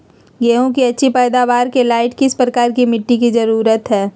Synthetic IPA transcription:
ɡɛːɦõkiɐtːʃʰipɛːd̪aʋaːɾkelaːɪʈkɪspɾəkaːɾkimɪʈːikizɐɾuːɾət̪ɦɛː

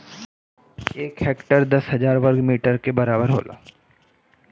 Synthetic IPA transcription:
eːkɦeːkʈəɾd̪ɐsɦɐzaːɾʋəɾɡmiːʈəɾkebɐɾaːbəɾɦo̰ːla̰ː

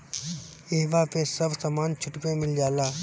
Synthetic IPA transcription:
eːʋapẽsɐbsamaːnt͡ʃʰʊʈpẽmɪld͡ʒaːlaː

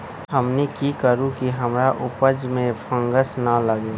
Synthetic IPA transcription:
həmnekikəɾũkiɦəmɾaʔʊpəd͡ʒmẽpʰə̃ŋɡəsnɐləɡeː

